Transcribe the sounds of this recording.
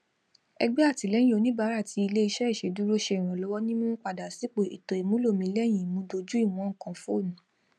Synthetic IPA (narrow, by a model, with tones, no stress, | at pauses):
ɛ̰˧ɡ͡bɛ˦a˦˨ti˨lɛ̃˨˦ĩ˦o˨˧nĩ˦ba˨˦ɾa˦˨tʰi˧i˧le˦i˧ʃɛ˦i˦˨ʃe˧du˦ɾo˦ʃe˧i˨ɾ̃ɔ̃˨lɔ˨˦wɔ˦nĩ˦mo˦k͡pa˧˨da˨si˨˦k͡po˦˨ḭ˨to˨i˨mũ˦lo˦˨mĩ˧˦lɛ˦˨j̃ĩ˨mũ˧˦do˧d͡ʒu˦i˦˨w̃ɔ̃˨˦ŋ̩˦˨kã˧fo˦˨nũ˨